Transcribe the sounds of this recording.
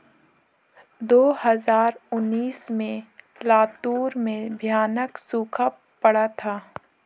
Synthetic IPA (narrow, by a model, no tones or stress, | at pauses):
d̪oːhəzaːɾʊnːiːsmẽ | laːt̪uːɾmẽbʱjaːnəksuːkʰa | pəɽat̪ʰaː